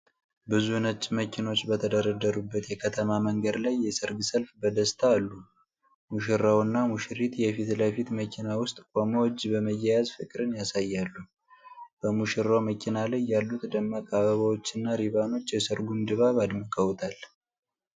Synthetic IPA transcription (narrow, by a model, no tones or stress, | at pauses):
bɨzunət͡ʃʼːməkʰino̞t͡ʃːbət̪ʰəd̪əɾəd̪əɾubːət̪jɛkʰət̪ʰəmaməŋɡəd̪lajːɛsɨɾɡɨsəlfbəd̪əst̪ʰaːlːu | muʃɪɾawɨnːamuʃɪɾit̪jɛfit̪ləfit̪məkʰinawʊst̪ʼkʼomowd͡ʒːbəməjːɛjazfɨkʼɾɨnjasajːalːu | b̥əmuʃɪɾːawməkʰinalajːalːut̪d̪əmːakʼaβəβawo̞t͡ʃːɨnːaɾiβano̞t͡ʃːjɛsɨɾɡund̪ɨβaβad̪məkʼəwt̪ʼʰal